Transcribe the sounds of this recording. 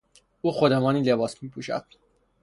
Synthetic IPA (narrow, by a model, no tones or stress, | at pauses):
uːxod̪emɒːniːlebɒːsmiːpʰuːʃæ̰d̪̥